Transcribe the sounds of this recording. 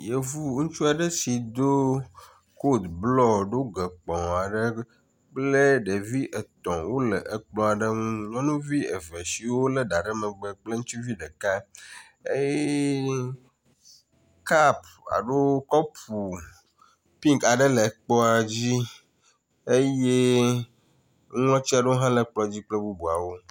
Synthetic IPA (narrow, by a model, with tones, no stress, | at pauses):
je˨vu˦ŋũ˦t͡ʃu˦a˨ɖə˦si˨d̪o˦ | ko˦d̪blɔ˦ɖo˦ɡə˨k͡pɔ̃˨a˨ɖə˦ | k͡plə˦ɖe˨vi˦ʔə˨t̪ɔ̃˨wo˦lə˨ʔə˨k͡plɔ̃˦a˨ɖə˦ŋũ˦ɲɔ˦nũ˦vi˦ə̰˨ve˨si˨wo˦lə˦ɖa˨ɖə˦mə̃˨ɡ͡bə˨k͡plə˦ŋu˦t͡ʃi˦vi˦ɖə˨ka˦ | e˦jɛ˦ | ka˦p | a̰˨ɖo˦kɔ˦pʰu˨ | pĩ˦ŋka˨ɖə˦lə˨k͡pɔ˦a˨d͡ʑi˦ | e˦je˦ | ŋɔ̃˦t͡ɕi˦a˨ɖo˦ɦã˦lə˨˦k͡plɔ˦d͡ʑi˦k͡plə˦bu˦bu˨a˨wo˦